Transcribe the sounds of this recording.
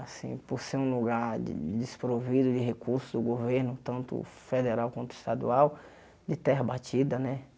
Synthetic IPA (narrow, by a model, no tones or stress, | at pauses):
asḭ̃poɾseɾũluɡaɾd͡ʒɪ̰d͡ʒɪspɾovid̪ʊd͡ʒɪɦekuɾsʊzd̪ʊɡoveɾnʊt̪ɐ̃nt̪ʊ̰fed̪eɾawkwɐ̃nt̪ʊi̥st̪ad̪ṵaw | d͡ʒɪt̪ɛɦɐbat͡ʃid̪ɐnɛ